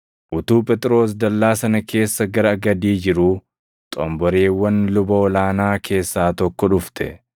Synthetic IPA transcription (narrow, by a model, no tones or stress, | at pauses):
ʔʊt̪uːpʼɛt̪ʼɾo̞ːs̬d̪ɐlːaːsɐnɐkʰe̞ːsːɐɡɐɾɐːɡɐd̪iːd͡ʒɪɾu | t̪ʼɔmbɔɾeːwːɐnlʊbɐɔlaːnaːkʰe̞ːsːaːt̪ɔkːɔᶑʊft̪ɛ̰